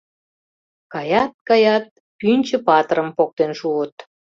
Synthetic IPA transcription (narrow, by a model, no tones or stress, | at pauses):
kɑjɑt̪̚kɑjɑt̪̚ | ynʲt͡ɕə̆pɑt̪əɾəmpok̚t̪enʃuət̪